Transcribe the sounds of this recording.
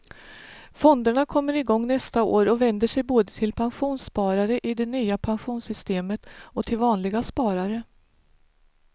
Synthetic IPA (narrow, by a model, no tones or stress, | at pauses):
fɔnd̪əɳakʰɔmːəɾɪɡɔŋːnɛst̪ao̰ːɾɔvɛnd̪əʂɛjboːd̪ət̪ʰɪlpʰanɧuːnspɑːɾaɾəʔɪd̪ɛnyːapʰanɧuːnsʏst̪eːmət̪ɔt̪ʰɪlvɑːnlɪɡaspɑːɾaɾə